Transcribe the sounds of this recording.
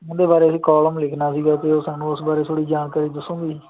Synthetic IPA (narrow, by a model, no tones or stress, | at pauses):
ʊ̃ːd̪eːbaːɾeːəsĩːkɔːləmlɪkʰnaːsiːɡaːt̪eːosãːnũːʊsbaːɾeːt̪ʰoːɽiːd͡ʒaːnkəɾiːd̪əsːõːɡiː